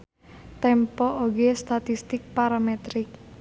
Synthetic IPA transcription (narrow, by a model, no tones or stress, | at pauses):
t̪ɛmpɔʔoɡest̪at̪ist̪ɪk̚paɾamet̪ɾɪk̚